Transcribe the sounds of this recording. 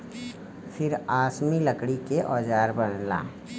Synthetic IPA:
fʰɪɾaːsmilɐkɽikeʔɔːd͡ʒaːɾbɐɽla̰ː

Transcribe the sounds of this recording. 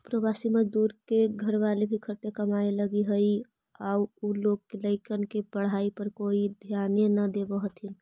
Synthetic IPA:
pɾəbasimẽd̪uɾkeɡʱəɾʋalebʱikʰəʈekəmaeləɡiɦəi | auuloɡkeləɪkənkebəɽ̤aipəɾkoid̪ʱjanjenəd̪ebəɦt̪ʰin

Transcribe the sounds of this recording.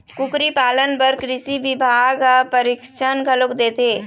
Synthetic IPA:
kʊkɾipaːlənpɐɾkɾɪsiʋɪbʱaːɡpɐɾɪkʃənɡʱɐlokd̪eːt̪eː

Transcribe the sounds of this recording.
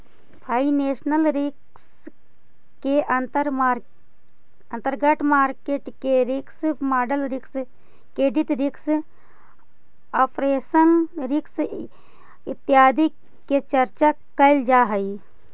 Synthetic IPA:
pʰaːineːʃnəlɾɪk | s | keɾ | ɐ̃nt̪əɾɡəʈʰmaːɾkeːʈkeɾɪksmaːɖəlɾɪks | kɾeːɖit̪ɾɪks | apɾeːsənɾɪks | ɪt̪ːɪjaːd̪i | ket͡ʃəɾt͡ʃa | kəɪld͡ʒaːɦəi

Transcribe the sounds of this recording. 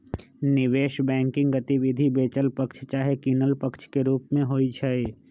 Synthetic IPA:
nɪʋeːʃbɛ̃ːŋkɪ̃ŋɡət̪iʋɪd̪ʱibeːt͡ʃəlpəkt͡ʃʰt͡ʃaːɦekiːnəlpəkt͡ʃʰkeɾuːpmẽɦoːit͡ʃʰae

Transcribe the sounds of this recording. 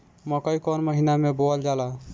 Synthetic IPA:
məkəikɔnməɦinameboəld͡ʒala

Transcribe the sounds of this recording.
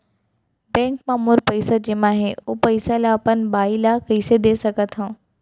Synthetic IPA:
bɛ̃ːŋkmãːmʊɾpɐisəd͡ʑeːmãːɦeoːpɐisalapənbaːilaːkɐised̪eːsɐɡʱət̪ʰãː

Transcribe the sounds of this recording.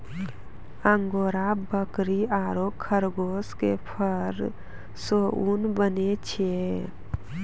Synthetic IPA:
əŋɡoːɾabəkɾiaːɾokʰəɾɡoːskepʰəɾ | soʔunbənet͡ʃʰe

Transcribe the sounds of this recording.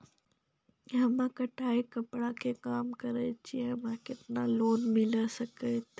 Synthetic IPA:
ɐmãkɐʈʰaːikɐpɽakʰeːkaːmkɐɾet͡ʃiɛ̃mãkɪt̪ɪnãloːnmɪləsɐket̪ː

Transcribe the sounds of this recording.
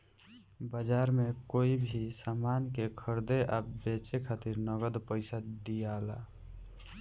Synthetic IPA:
bəd͡ʒaɾmekoibʱisamankekʰəɾd̪eʔabet͡ʃekʰat̪iɾnəɡəd̪pəɪsad̪ijala

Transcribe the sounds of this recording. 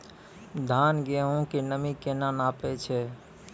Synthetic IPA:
d̪ʱaːnɡeɦũkinəmikenanaːpet͡ʃʰɛ

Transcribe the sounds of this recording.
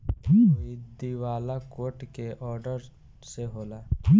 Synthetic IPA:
id̪iwaːlakoːʈkeʔɔːɾɖəɾ | seɦoːlaː

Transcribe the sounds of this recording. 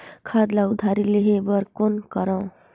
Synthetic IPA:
kʰad̪laud̪ʱaɾileɦebʌɾkonkʌɾãw̃

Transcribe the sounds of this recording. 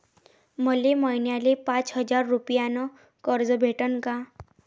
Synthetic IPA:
məlemɔjnjalepat͡sɦəd͡zaɾːupjanɔ | kəɾd͡zɔbʱeʈənka

